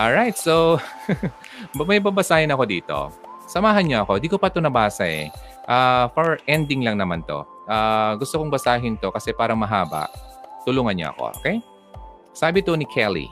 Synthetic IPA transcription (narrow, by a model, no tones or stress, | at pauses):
ʔolɹajt̪̚sow | mɐjbabɐsaːhɪnɐko̞d̪ḭːt̪o̞̰sɐmaːɦɐnɲoʔɐko̞ɪnd̪iːkopɐt̪onɐbaːsɐʔɛ̰ | ʔaːfoɹʔɛnd̪ɪŋlɐŋnɐmant̪o̞̰ | ʔaːɡʊst̪okoŋbɐsaːɦɪnt̪o̞kɐsɛpaːɾɐŋmɐɦaːbɐ̰ʔt̪ʊluːŋɐnɲo̰ɐ̰ko̰ʔo̰kɛj | saːbɪt̪onɪkʰɛlḭ